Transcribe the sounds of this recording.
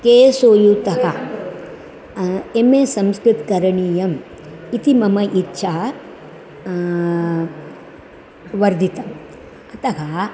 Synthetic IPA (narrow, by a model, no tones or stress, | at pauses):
keːsoːjut̪ɐɦɐ | emesɐmskɾɨt̪kɐɾɐɳiːjɐm | it̪imɐmɐʔitːʃʰaː | ʋɐɾd̪ʱit̪ɐm | ɐt̪ɐɦɐ